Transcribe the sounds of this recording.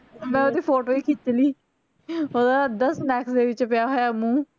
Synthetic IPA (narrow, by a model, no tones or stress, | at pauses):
mɛ̃ːoːd̪iːpʰoːʈoːiːkʰɪt͡ʃliː | oːd̪aːd̪əsnɛːksd̪eːʋɪt͡ʃpjaːɦojamũː